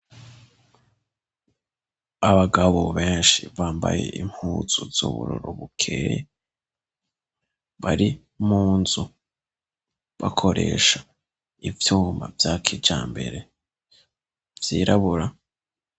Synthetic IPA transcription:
aβaɡaβoβe̞ːnʃiβaːmbaje̞̰ʔim̥huːz̥uz̥ṵβṵɾuɾoβukʰeje | βaɾi | muːnzu | βakʰo̞ɾʔe̞̰ʃa | ivjuːmbavjakʰid͡ʒaːmbe̞ɾe̞ | vjiːɾaβuɾa

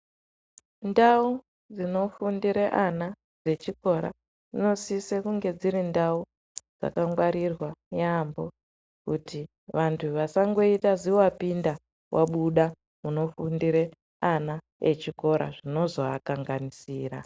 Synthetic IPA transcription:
ndau | d͡zino̞fundiɾeʔana | d͡ze̞t͡ʃiko̞ɾa̰ | d͡zino̞sisekuŋɡe̞d͡ziɾindau | d͡za̰kaŋɡwaɾirwajambo̞ | kuti | ʋantʰuʋasaŋɡo̞itaziapinda | wʔaɓuɗa | muno̞fundiɾe | ana | ḛt͡ʃiko̞ɾa̰ʐino̞zo̞a̰kaŋɡanisiːra̰

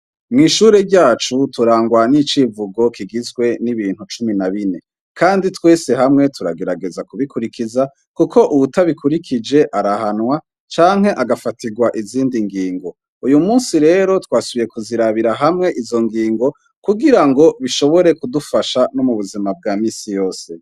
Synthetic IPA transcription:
mŋiːʃuːɾe̞ɾɟaːt͡ʃutuɾaːŋɡwanit͡ʃivuɡo̞kʰiɡizɡwe̞niβiːn̥hut͡ʃuminaβine̞ | kʰaːnditwe̞ːse̞ɦamŋe̞tʰuɾaɡe̞ɾaɡe̞zakuβikuɾikiza | kukʰo̞ʔuβutaβikʰuɾikʰid͡ʒe̞ʔaɾahanwa | t͡ʃaːŋ̥he̞ʔaɡafatiɡwaʔiziːndiŋɡiːŋɡo̞ | ujumuːnsiɾe̞ːɾo̞twaːsuβije̞kuziɾaβiɾaɦamŋe̞ʔizo̞ŋɡiːŋɡo̞ | kuɡiɾaŋɡo̞βiʃo̞βo̞ɾe̞kudufaʃanomuβuzimab̚ɡaːmiːsijo̞ːse̞

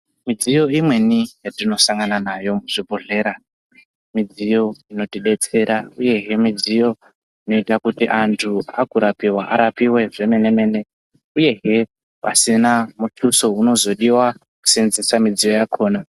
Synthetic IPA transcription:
mid͡zijo̞imwe̞nijatino̞saŋɡananajo̞muʐ̥ibʱoɮe̞ːɾa | mid͡zijo̞ino̞tiɗe̞t͡se̞ɾauje̞ɦe̞mid͡zijo̞ | ino̞itakutiʔantʰua̰kuɾapiwaʔa̰ɾapiwe̞ʐe̞me̞ne̞me̞ne̞ | uje̞ɦe̞ | pa̰sinamutʰuso̞uno̞zo̞ɗiwa | ku̥senzisamid͡zijo̞jakʰo̞ːna

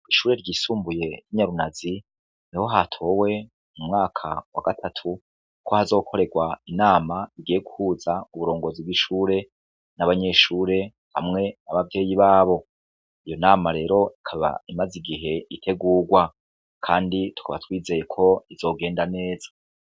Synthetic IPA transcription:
iʃuːɾe̞ɾɟiːsuːmbuje̞jiɲaɾunazi | niho̞ɦatʰo̞we̞ | mumŋaːkʰa̰wa̰ɡatʰatʰu | kʰo̞hazo̞ːkʰo̞ɾe̞ɡwainaːmaiɡijeɡuhuːzauβuɾo̞ːŋɡo̞zibɡiʃuːɾe̞ | naβaɲe̞ʃuːɾe̞ | ha̰mŋe̞naβavje̞ːjiβaːβo̞ | ijo̞naːmaɾe̞ːɾo̞ikʰaβa̰imaziɡiɦe̞itʰe̞ɡuːɡwa | kʰaːnditu̥kʰaβa̰twiːze̞jekʰo̞iz̥o̞ːɡe̞ːndane̞ːzḁ

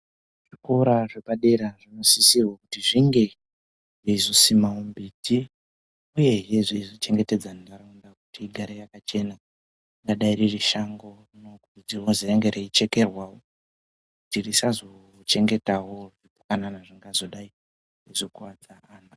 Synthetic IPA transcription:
ʐ̥ikoɾaʐepaɗe̞ɾaʐino̞sisirwakutiʐiŋɡe̞ | riizosimawombitʰi | uje̞ɦeʐiizit͡ʃe̞ŋɡe̞te̞d͡zandaraundakutiɡʱaɾejakat͡ʃe̞na | iŋɡaɗaiririʃaŋɡo̞ | nokutid͡ziɦozejaŋɡeɾeit͡ʃe̞ke̞rwawo | kutirisazo̞ | t͡ʃe̞ŋɡe̞tawo̞ʐipukananaʐiŋɡazo̞ɗai | rezokwad͡zaaːna

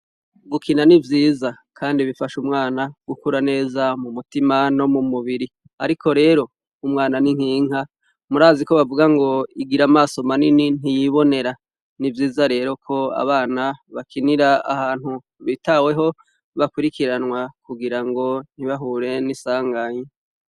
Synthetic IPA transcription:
ɡukʰinanivjiːza | kʰaːndiβifaʃumŋaːnaɡ̥ukuɾane̞ːzamumutimano̞mumuβiɾi | a̰ɾikʰo̞ɾe̞ːɾo̞ | umŋaːnaniŋ̥hiːŋ̥ha | muɾaːziko̞βavuɡaŋɡo̞iɡiɾamaːso̞maninin̥ijiβo̞ne̞ɾa | nivjiːzaɾe̞ːɾo̞kʰo̞a̰βaːnaβakʰiniɾaa̰haːnhu | βitawe̞ɦo̞ | βakwuɾikiɾanwakuɡiɾaŋɡo̞n̥iβaɦuːɾe̞nisaːŋɡaɲe

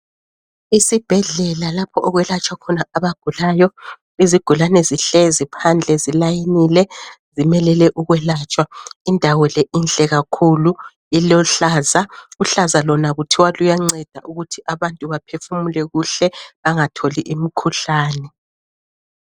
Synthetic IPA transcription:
isib̥ʱɛɮɛlalapʰɔʔɔɣwɛlat͡ʃʼwakʰɔnaaβaɡ̥ʱulaːjɔ | iziɡ̥ʱulanɛziɬɛzipʰand͡ɮʱɛzilajinilɛzimɛlɛlɛʔuɣwɛlat͡ʃʼwaindʱawɔleint͡ɬʼɛɣakʰulu | ilɔɬaːzauɬazalɔnaɣutʰiwalujaŋ͡ǀɛd̥ʱaʔuɣutʰiʔaβantʼuβapʰefumulɛɣuɬɛaŋatʰoliʔim̩kʰuɬaːnɛ

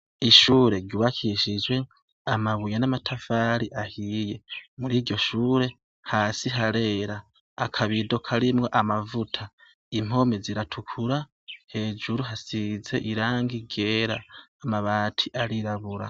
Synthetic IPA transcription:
iʃuːɾe̞ɾɟuβakʰiʃid͡ʒɡwe̞ | amaβujanamatʰafaːɾiʔahije̞muɾiːɟo̞ʃuːɾe̞ | haːsiɦaɾe̞ːɾaː | kʰaβidokʰaɾimŋo̞ʔamavutʰa | im̥o̞meziɾatʰukʰuɾa | he̞ːd͡ʒuɾuɦasize̞ʔiɾaːŋɡiɡe̞ːɾaːmaβaːtʰiʔaɾiɾaβuɾa̰

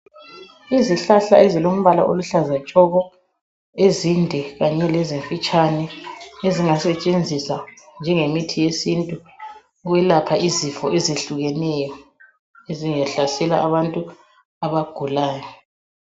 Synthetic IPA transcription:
iziɬaɬa̰ɛzilom̩βala̰ʔoluɬazat͡ʃʼɔɣɔ | ezindʱɛɣaɲɛlɛzeɱfit͡ʃʼanɛeziŋasɛt͡ʃʼend͡zʱisand͡ʒʱɛŋemitʰijesintʼu | ɣwɛlapʰaʔizifɔʔezeɬuɣɛnɛjɔ | eziŋaɬasɛla̰ʔaβantʼu | aβaɡ̥ʱulaːjɔ

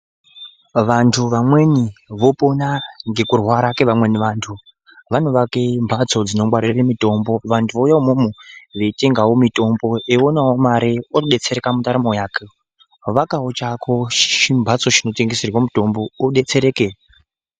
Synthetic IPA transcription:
ʋantʰuʋamwe̞niʋo̞po̞naŋɡe̞kurwaɾakeʋamwe̞niʋaːntʰu | ʋano̞ʋakembʱat͡so̞d͡zino̞mwaɾireremito̞mbo̞ʋantʰuʋojaomumuʋe̞ite̞ŋɡawo̞mito̞mbo̞ʔeonawomaɾiooɗe̞t͡se̞ɾekamutaɾamojaːke | ʋakaot͡ʃakʰoʃʃimbʱat͡so̞ʃino̞te̞ŋɡeserwamuto̞mbo̞oɗe̞t͡se̞ɾe̞ːke

